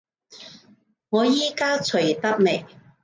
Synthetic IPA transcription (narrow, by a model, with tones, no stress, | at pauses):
ŋɔː˨˧jiː˥kaː˥t͡sʰɵ˨˩t̪ɐ˥k̚me˨˩j